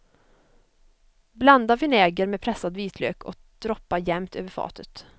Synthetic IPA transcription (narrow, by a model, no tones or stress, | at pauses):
bland̪avɪnɛːɡəɾmɛpʰɾɛsːad̪viːt̪ʰlø̰ːkʰɔ̰ | d̪̥ɾɔpːajɛmt̪ʰø̰ːvəɾfɑ̰ːt̪ʰət̪